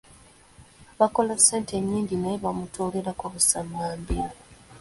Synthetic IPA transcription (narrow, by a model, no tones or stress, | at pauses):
βakolaseːnte̞ɲːiːɲɟinajeβamutuleɾakoβusamːaːmbiɾo